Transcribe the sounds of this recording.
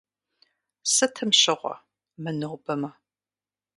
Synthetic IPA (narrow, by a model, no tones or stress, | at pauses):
sɨtʰɨmʃɪʁʷɔ̰ | mɨnɨʁʷbɐmɐ